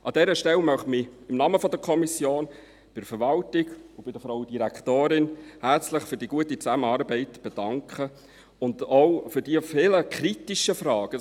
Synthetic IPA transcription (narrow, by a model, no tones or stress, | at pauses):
ʔɑd̥ɛɾəʃtɛlmœχmiɪmnɑməfɔdəkʰɔmisjoːn | b̥ɪdfəɾvɑltɪɡʊb̥ɪd̥əfɾɔʊəd̥iɾækʰtoːɾɪnhæɾt͡slɪχfyɾdiɡ̥uətit͡sæməɑːɾbɛɪtb̥ɛd̥ɑŋkχə | ʊndoʊfʏɾdiəfɪləkɾitiʃəfrɑːɡ̥ə